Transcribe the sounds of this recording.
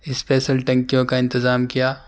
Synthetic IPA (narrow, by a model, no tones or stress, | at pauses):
ɪspɛːʃəlʈɐ̃ŋkijõkaɪ̃nt̪ɪzaːmkijaː